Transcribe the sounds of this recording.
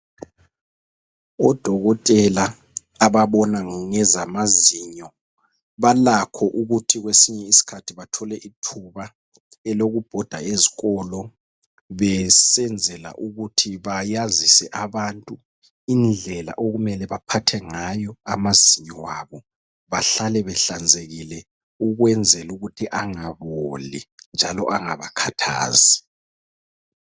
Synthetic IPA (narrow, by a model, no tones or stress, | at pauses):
ɔd̥ʱɔɣɔtʼɛlaː | βaβɔnaŋɛzamaziɲɔ | βalakʰɔʔuɣutʰiɣwesiɲɛisi̥kʰatʰiβatʰɔlɛʔitʰuβa | ɛloɣub̥ʱɔd̥ʱaeziɣɔlɔ | βɛsɛnd͡zʱɛla̰ʔuɣutʰiβajazisɛʔaβantʼu | ind͡ɮʱɛla̰ʔoɣumɛlɛβapʰatʰɛŋajɔa̰maziɲiwaβɔ | βaɬalɛβɛɬand͡zʱeɣilɛ | uɣwɛnd͡zʱɛluɣutʰiʔaŋaβolind͡ʒʱalɔ̰ʔaŋaβakʰatʰa̰ːzi